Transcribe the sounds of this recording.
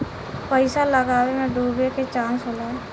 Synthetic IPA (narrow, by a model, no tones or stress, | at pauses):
pəɪsaːləɡaːʋemɛ̃ːɖuːbeːket͡ʃãːnsɦoːlaː